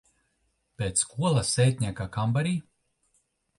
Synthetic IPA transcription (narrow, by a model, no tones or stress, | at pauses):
pʲeːt̪skuɔlˠasɛjt̪ʲnʲiːkakambaɾiː